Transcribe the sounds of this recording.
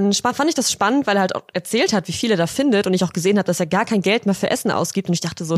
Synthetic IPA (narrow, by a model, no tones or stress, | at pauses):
ʃafantɪçd̥asʃpanəntvaɪlːeɐhalta̰ʊʔɛɐt͡sɛːlthatv̥iːfiːleːɐdaːfɪndətʊntɪçaʊxɡ̥əzeːənhaːbəd̥aseːɐɡaːɐkʰaɪnɡɛltmeːɐfyːɐʔɛsn̩ʔa̰ʊsɡ̥iːp̚tʊntɪçd̥aχtəzoː